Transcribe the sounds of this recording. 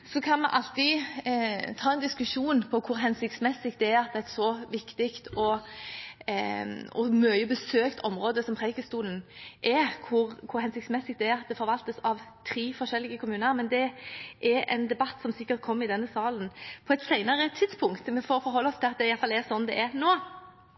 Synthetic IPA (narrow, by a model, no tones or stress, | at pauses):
sɔkʰɑnmɛʔɑlt̪ɪ | t̪ʰɑːɛnd̪ɪskʉʂuːnpʰɔkʰʊɾɦɛnsɪk̚t̪smɛsɪk̚t̪d̪ɛæɾɑt̪̚d̪ɛæt̪sɔʋɪkt̪ɪkt̪ɔ | ɔmœʏəbəsøːkt̪ʰɔmɾoːd̪əsɔmpʰʁɛɪkəst̪uːlnʔɛkʰʊɾkʰʊɾhɛnsɪkt̪smɛsɪk̚t̪d̪ɛæɑt̪̚d̪ɛfɔɾʋɑlt̪əsɑʋt̪ʰɾiːfɔʁʃɛlːɪɡəkʰʊmʉːnəɾmɛnd̪ɛʔɛɾɛ̰ɪnd̪ɛbɑt̪ːsɔmsɪkːəɾt̪̚kʰɔmːɪd̪ɛnːəsɑːlnpʰɔɛt̪sæɪnəɾət̪ʰɪd̪spʰʊŋkt̪mɛfɔːfɔɾɦɔlːəɔst̪ʰɪlɑt̪̚d̪ɛɪjɑlfɑlɛʁsɔnːd̪ɛʔɛɾnoː